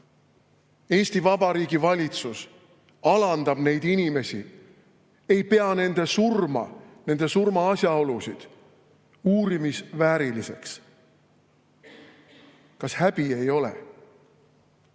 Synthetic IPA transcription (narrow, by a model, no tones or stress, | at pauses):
e̞ːsʲt̪ivɑbɑɾiːɡivɑlʲit̪sus | ɑlɑnd̪̥ɑb̥ne̞jd̪̥inime̞sʲḭ | e̞jpe̞ɑne̞nd̪̥e̞surmɑ̰ne̞nd̪̥e̞surmɑɑsjɑo̞lusid̪̥ | uːɾimisvæːɾilise̞̰ks | kɑshæb̥ie̞jo̞lḛ